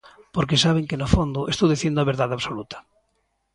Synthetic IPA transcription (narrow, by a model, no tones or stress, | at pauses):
poɾk̬esaβ̞eŋkenofond̪ʊʔest̪owðiθjend̪ʊaβeɾðaðaβsolut̪ɐ̥